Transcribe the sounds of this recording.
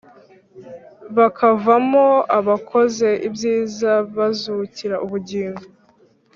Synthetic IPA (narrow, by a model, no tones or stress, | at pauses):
βakʰavamoaβakʰo̞ze̞ʔibjiːzaβazuciɾaʔuβuɟiːŋɡo